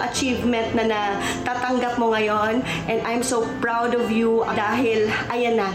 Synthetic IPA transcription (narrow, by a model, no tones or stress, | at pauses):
ʔɐ̰t͡ʃivmɛ̃nt̪̚nɐnɐ | t̪aːt̪ɐŋɡɐp̚moŋɐjon | ʔɛnd̪ʔajmsopɹawd̪ɔvjuɐd̪aːɦɪlʔɐjɐnɐ